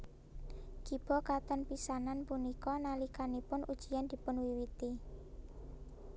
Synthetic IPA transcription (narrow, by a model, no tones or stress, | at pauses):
ɡ̥ib̥ɔ̤kat̪ɔnpisananpunikɔnalikanipʊnʔud̥ʒ̥i̤jand̪̥i̤pʊnwiwit̪i